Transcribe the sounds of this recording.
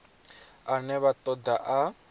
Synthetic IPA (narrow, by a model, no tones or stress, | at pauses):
anɛβat̪ʼɔd̪aʔa